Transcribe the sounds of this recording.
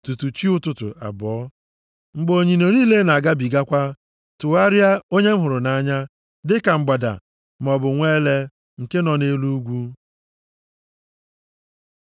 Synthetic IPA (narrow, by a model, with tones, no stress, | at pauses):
tu˨tu˨t͡ʃi˦ʊ˦tʊ˨tʊ̰˨a̰˨bɔ˨˦ | ŋ͡m̩˦ɡ͡bo˨ɲi˨no˨ɾiː˦le˦na˨a˨ɡa˦bi˨ɡa˦kʷa˦ | tʊ˨a˦ɾja˦o˦ɲe˦m̩˦ɦʊ˨ɾʊ˨na˨˦ɲa˦ | dɪ˦ka˨ŋ͡m̩˦ɡ͡ba˨da̰˨ | m˨ɔ˨bʊ˨ŋʷe˦le˦ | ŋ̩˨ke˦nɔ˨ne˦lu˦ɡʷu˦